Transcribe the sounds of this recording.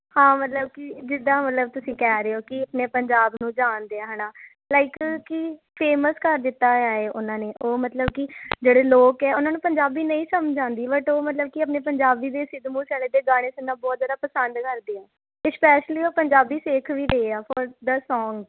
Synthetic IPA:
hãːmət̪ləb̚kɪd͡ʒɪd̪ãːmət̪ləb̚t̪ʊsĩːkɛːɾeːoːkɪəpneːpəɲd͡ʒaːbnũːd͡ʒaːnd̪eːãːɦənaː | laːɪkkɪ | pʰeːməskəɾd̪ɪt̪ːaːaːeːʔʊnãːneːʔoːmət̪ləbkɪd͡ʒeːɽeːloːkɛːʊnãːnũːpəɲd͡ʒaːbiːnəĩːsəmd͡ʒd͡ʒãːnd̪iːbəʈoːmət̪ləb̚kɪəp̬neːpəɲd͡ʒaːbiːd̪eːsɪd̪mũːsɛːleːd̪eːɡaːɽ̃eːsənːãːbɔːt̪zaːd̪aːpəsənd̪kəɾd̪eːãː | ɪspɛːʃliːoːpəɲd͡ʒaːbiːseːkʰʋiːɾeeaːfʰɔːɾd̪əsɔːŋɡ

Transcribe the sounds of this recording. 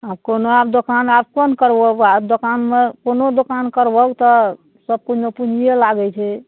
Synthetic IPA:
abkonoabd̪okanabkonkəɾbəɡad̪okanmekonod̪okankəɾbəkt̪ɔ | səb̚kut͡ʃʰmepunijelaɡɛt͡ʃʰɛ

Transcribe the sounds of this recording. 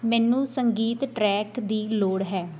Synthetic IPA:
mɛ̃ːnũːsəŋɡiːt̪ʈɾɛːkd̪iːloːɽɦɛː

